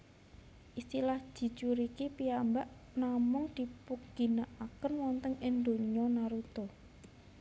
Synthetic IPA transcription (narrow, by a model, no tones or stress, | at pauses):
ʔist̪ilahʒ̥i̤t͡ʃuɾikipiambaʔnamʊŋd̪̥i̤puɡɡi̤naʔakənwɔnt̪əŋɪnd̪o̤ɲɲɔnaɾut̪o